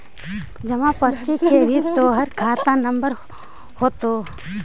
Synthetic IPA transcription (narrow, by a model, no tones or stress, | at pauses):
d͡ʒɐmãpəɾt͡ʃɪkːeɾʱit̪oːɦəɾkʰaːt̪anəmbəɾ | hoːt̪o